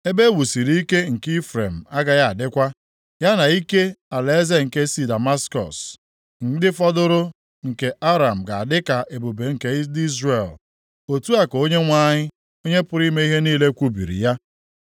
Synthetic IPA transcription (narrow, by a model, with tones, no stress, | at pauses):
e˦be˦wu˨si˨ɾi˦i˦ke˦ŋ̩˨ki˦fɾe˨m̩˨a˦ɡa˨ja˦˨a˨dɪ˦kʷa˦ | ja˦na˨i˦ke˦a˨le˨˦ze˦ŋ̩˨ke˦si˨da˨ma˦skɔ̰˨s | ŋ̩˦˨dɪ˦fɔ˦dʊ˦ɾʊ˦ | ŋ̩˨ke˨a˦ɾa˨m̩˨ɡa˨a˨dɪ˦ka˨ʔe˨bo˨be˨ŋ̩˨ke˦di˦zɾe˨l | o˨tu˦a˨ko˦ɲe˦ŋʷa˦ɲɪ˦ | o˦ɲe˦pʊ˨ɾi˦me˦i˦ɦe˦niː˦le˦kʷu˦bḭ˨ɾḭ˨ja˦